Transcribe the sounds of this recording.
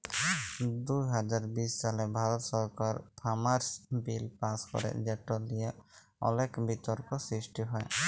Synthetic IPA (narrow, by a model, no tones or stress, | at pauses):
d̪ujɦad͡ʒaɾbissalɛbʱaɾɔt̪sɔɾkaɾpʰamaɾsbilpaskɔ̰ɾɛ̰ʔd͡ʒɛʈɔd̪ɛjaʔ | ɔ̰lɛkbʱit̪ɔɾkɔsɾisʈiɦɔj